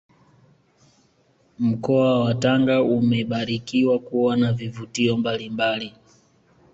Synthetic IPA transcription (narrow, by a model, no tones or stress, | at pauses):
m̩kɔawataŋɡaumɛɓaɾikiwakuwanavivutiɔmbalimbali